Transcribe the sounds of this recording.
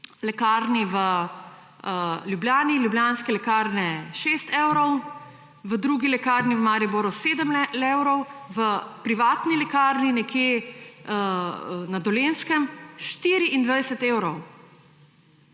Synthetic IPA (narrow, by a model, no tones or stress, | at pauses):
lɛkaɾniʋə | ljubljaːniljubljaːnskɛlɛkaːɾnɛʃeːst̪eːwɾɔw | ʋəd̪ɾuːɡilɛkaɾniʋəmaːɾiboɾuseːd̪əmewɾɔwʋəpɾiʋaːt̪nilɛkaːɾninɛkʰjeənad̪ɔleːnskəmʃt̪iːɾiʔind̪ʋajsɛt̪eːwɾɔw